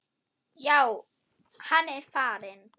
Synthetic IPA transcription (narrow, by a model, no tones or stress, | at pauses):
jaw | hanɛfaːɾɛn